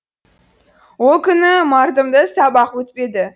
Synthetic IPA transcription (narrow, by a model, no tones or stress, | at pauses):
wo̞lˠkʲʰʏnɪmɑɾd̪əmd̪əsɑbɑqwɵt̪pe̞d̪ɪ